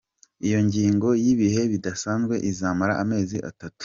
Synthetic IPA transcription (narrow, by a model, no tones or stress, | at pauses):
ijo̞ɲɟiːŋɡo̞jiβihe̞βidasaːnzɡwe̞ʔizaːmaɾa̰ʔame̞ːziʔa̰tatu̥